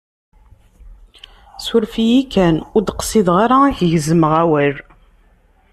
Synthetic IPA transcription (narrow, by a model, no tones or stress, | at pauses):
sʊɾfijikːænʊɾd̪qə̥siðʁaɾaæçʝəzəməʁæwæɾ